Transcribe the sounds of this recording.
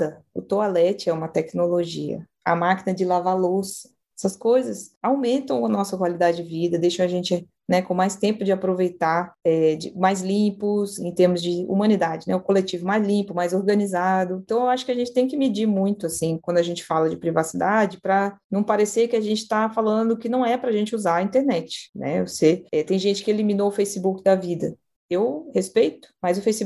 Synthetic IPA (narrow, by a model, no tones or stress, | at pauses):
ɐʊ̰t̪oalɛt͡ʃɪɛũmɐt̪ɛknoloʒiɐ̰ | ɐmakinɐd͡ʒɪlavalos | ɛsɐskojzɐsawmẽnt̪ɐ̃w̃ɐnɔsɐkwalid̪ad͡ʒɪd͡ʒɪvid̪ɐd̪ejʃɐ̃w̃aʒẽnt͡ʃɪ | nɛkõmajst̪ẽmpʊd͡ʒɪapɾovejt̪aɛd͡ʒɪmajzlĩpʊsḛ̃t̪eɾmʊzd͡ʒɪṵmɐ̃nid̪ad͡ʒɪnɛʊkolet͡ʃivʊmajzlĩpʊmajzoɾɡɐ̃nizad̪ʊẽt̪ɐ̃w̃ewaʃʊkɪaʒẽnt͡ʃɪ̥t̪ẽj̃kɪmid͡ʒiɾmũj̃t̪ʊasĩkwɐ̃d̪ʊaʒẽnt͡ʃɪ̥falɐd͡ʒɪpɾivasid̪ad͡ʒɪpɾɐnɐ̃w̃paɾesekɪaʒẽnt͡ʃɪ̥t̪afalɐ̃d̪ʊkɪnɐ̃w̃ɛpɾɐʒẽnt͡ʃɪuzaɾɐĩt̪eɾnɛt͡ʃɪ̥nɛ̰voseɛt̪ẽj̃ʒẽt͡ʃɪ̥kɪelimĩnoʊfejsɪbukɪd̪avid̪ɐ | ewhespejt̪ʊ̥majzʊfejsi